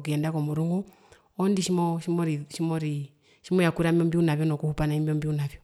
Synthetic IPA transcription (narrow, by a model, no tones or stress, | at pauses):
k̬iɛndakɔmuɾuŋɡu | ɔndiʃimɔʃimɔɾiʃimɔɾi | ʃimɔjakuɾamɔmbiunavjɔnɔkuhupanaimbiɔmbiunavjɔ